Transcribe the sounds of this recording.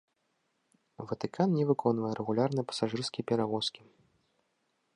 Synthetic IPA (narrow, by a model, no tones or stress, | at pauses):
vɐt̪ɨkʰannʲɛvɨkʰɔnvɐjɛɾɛɣulʲarnɨɛpɐ̥saʐɨrskʲijɛpʲɛɾavɔskʲi